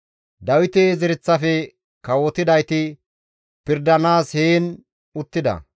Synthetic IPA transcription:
d̪ɐwɪt̪eːzɪɾɪt͡sːɐfɛ | kɐwɔt̪ɪd̪ɐjt̪ɪ | pɪɾd̪ɐnaːsheːn | ʊt̪ːɪd̪ɐ̰

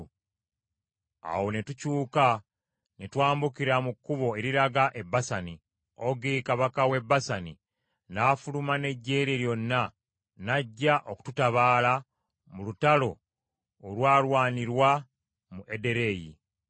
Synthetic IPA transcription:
a̰wo̞netucuːka | netwaːmbukiɾamukːuβo̞e̞ɾiɾaɡaʔe̞bːasani | oɡikaβakawe̞bːasani | naːfulumane̞ɟːe̞ːɾeɾjo̞nːa | naɟːaʔo̞ku̥tutaβaːla | mulutalo̞ː | lwaːlwaːniɾwa | muʔe̞de̞ɾe̞ːjḭ

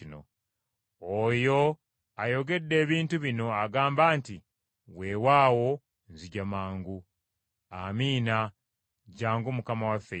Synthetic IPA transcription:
ino̰ | ojo̞ | ajo̞ɡe̞dːe̞ːβiːntuβino̞aɡaːmbaːnti | we̞ːwaːwo̞ | nziɟamaːŋɡu | amiːna | ɟaːŋɡumukamawafːe

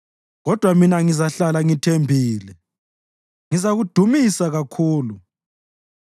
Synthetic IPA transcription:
ɣɔd̥ʱwaminaŋizaɬalaŋitʰembʱiːlɛ | ŋizaɣud̥ʱumisaɣakʰuːlu

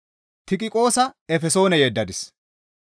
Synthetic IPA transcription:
t̪ɪkʼɪkʼo̞ːsɐɛfɛso̞ːnɛjeːd̪ːɐd̪ɪs

